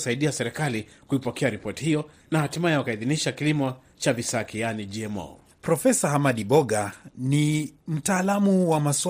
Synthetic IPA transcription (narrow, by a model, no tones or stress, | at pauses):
saiɗiasɛɾɛkalikuipɔkʰɛaɾipɔti̥hijɔ | nahatimajɛwakaiðiniʃakilimɔ | t͡ʃavisakʰijanid͡ʒiɛmɔ̰ | pɾɔfɛsaɦamaɗiɓɔɡanim̩taːlamuwamasw